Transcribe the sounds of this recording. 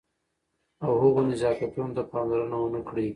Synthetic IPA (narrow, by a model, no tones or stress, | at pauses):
awɦʊɣonɪzɑfat̪unot̪apɑnlaɾənawənakɽi